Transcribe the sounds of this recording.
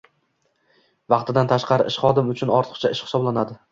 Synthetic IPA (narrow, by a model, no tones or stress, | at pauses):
vɑqt̪ʰɪd̪ant̪ʰaʃqʰɑɾɪʔɪʃχɒd̪ɪmʊt͡ʃʰʊnɒɾt̪ʰɨ̥qt͡ʃʰaɪʃχɪ̥sɒblanad̪ɪ